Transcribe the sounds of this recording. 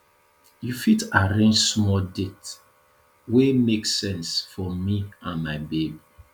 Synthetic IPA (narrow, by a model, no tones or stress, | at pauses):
jufitaɹẽnd͡ʒsmɔldet | wemeksɛ̃nsfɔmiãnmaɪbebi